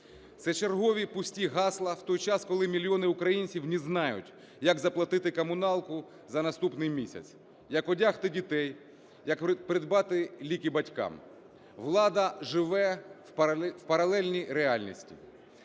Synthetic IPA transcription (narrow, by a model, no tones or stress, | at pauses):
t̪sɛt͡ʃerɦɔʋʲipʊsʲtʲiɦɑslˠɐwt̪ɔjt͡ʃɑskɔlˠɪmʲilʲijɔnɪʊkɾɐjinʲt͡sʲiwnʲiznɑjʊ̰tʲ | jɐɡzɐplˠɐt̪ɪt̪ɪkɐmʊnɑlˠkʊ | zɐnɐst̪upnɪjmʲisʲɐ̰t͡s̪ʲ | jɐkɔdʲaxt̪ɪdʲit̪ɛj | jɐkpɾɪd̪bɑt̪ɪlʲikɪbɐtʲkɑ̰m | ʋlˠɑd̪ɐʒɪʋɛ | wpɐɾɐlˠɛlʲnʲijɾeɑlʲnʲḭsʲtʲḭ